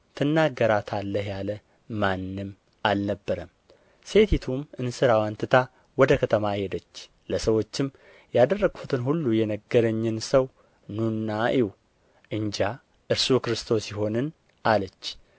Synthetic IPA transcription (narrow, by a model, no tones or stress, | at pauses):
t̪ʰɨnːaɡːəɾat̪ʰalːəɦjalə | manːɨm | ʔalnəbːəɾəm | se̞t̪ʰit̪ʰumɨnsɨɾawant̪ʰɨt̪ʰa | wɔd̪əkʰət̪ʰəmajɛd̪ət͡ʃː | ləsəwo̞t͡ʃːɪm | jad̪ərːəɡ̥fut̪ʰɨnɦulːujɛnəɡːəɾəɲːɪnsəw | nunːaʔiw | ʔɨɲd͡ʒa | ʔɨɾsukɾɨst̪ʰo̞sjɪɦo̞nɨn | ʔalət͡ʃː